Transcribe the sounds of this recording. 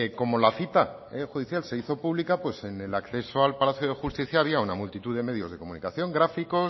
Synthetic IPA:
eko̞mo̞laθit̪a | exuð̞iθjalse̞iθo̞puβlikapwe̞se̞ne̞lakθe̞soalpalaθjoð̞e̞xust̪iθjaːβ̞iaunamult̪it̪uðe̞me̞ð̞jo̞zðeko̞munikaθjo̞ŋɡɾafiko̞s

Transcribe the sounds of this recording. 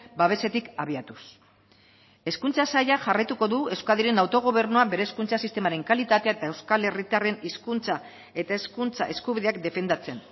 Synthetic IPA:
baβe̞se̞t̪ikaβ̞iat̪us | e̞skunt͡sasaʎaʝarajt̪uko̞ðue̞wskaðiɾe̞nawt̪o̞ɣ̞o̞β̞e̞ɾnuabe̞ɾe̞ːskunt͡sasist̪e̞maɾe̞ŋkalit̪at̪e̞aet̪ae̞wskale̞rit̪are̞niskunt͡sa | e̞t̪aeskunt͡sa̰ʔe̞skuβiðeakd̪e̞fe̞nd̪at͡se̞n

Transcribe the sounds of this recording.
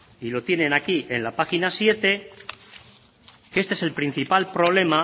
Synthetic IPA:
ilo̞t̪je̞ne̞nakiʔe̞nlapaxinasje̞t̪e̞ | ke̞st̪eese̞lpɾin̟θipalpɾo̞β̞le̞ma

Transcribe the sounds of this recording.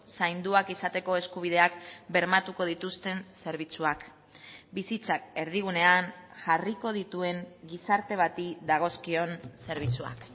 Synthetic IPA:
sajnd̪uakisat̪e̞ko̞e̞skuβ̞ið̞e̞akbe̞ɾmat̪uko̞ð̞it̪ust̪e̞nse̞ɾβ̞it͡suak | bisit͡sake̞ɾð̞iɣ̞une̞anʝariko̞ð̞it̪ue̞ŋɡisaɾt̪e̞β̞at̪iðaɣ̞o̞skio̞nse̞ɾβ̞it͡sua̰k

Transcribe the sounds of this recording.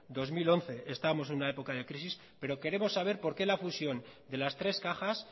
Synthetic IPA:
d̪o̞zmilo̞n̟θe̞ʔest̪aβmo̞senunae̞po̞kað̞e̞kɾisis | pe̞ɾo̞ke̞ɾe̞mo̞sːaβ̞e̞ɾpo̞ɾke̞lafusjo̞nd̪e̞last̪ɾe̞skaxas

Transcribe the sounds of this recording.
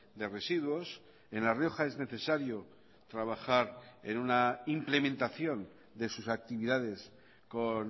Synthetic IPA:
d̪e̞re̞siðwo̞s | e̞nlarjo̞xae̞zne̞θe̞saɾjo̞ | t̪ɾaβ̞axaɾe̞̰nunaimple̞mẽnt̪aθjo̞n | d̪e̞susak̚t̪iβiðaðe̞s | ko̞n

